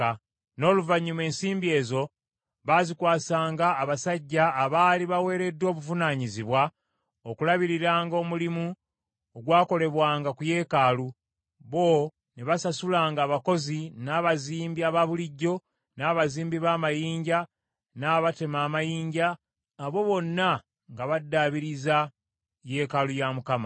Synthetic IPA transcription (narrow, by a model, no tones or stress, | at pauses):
no̞ːluvaɲːume̞ːnsiːmbie̞ːzo̞ | βazikwaːsaːŋɡaːβasaɟːaːβaːliβawe̞ːɾe̞dːo̞ːβuvunaːɲiziβwa | okulaβiɾiɾaːŋɡo̞ːmulimu | oɡwaːko̞le̞βwaːŋɡakuje̞ːkaːlu | βo̞ | neβasasulaːŋɡaːβako̞zinaːβaziːmbiaβaβuliɟːo̞ | naːβaziːmbiβaːmajiːɲɟa | naːβate̞maːmajiːɲɟaː | βo̞βo̞nːa | ŋɡaβadːaːβiɾiza | je̞ːkalujamukama